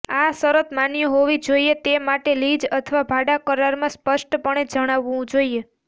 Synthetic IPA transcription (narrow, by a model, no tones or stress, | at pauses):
asəɾət̪manjəɦoʋid͡ʒoiet̪emaʈelid͡ʒət̪ʰəʋabʱaɽakəɾaɾmãspəʃʈpəɳ̃ed͡ʒəɽ̃aʋːũd͡ʒoie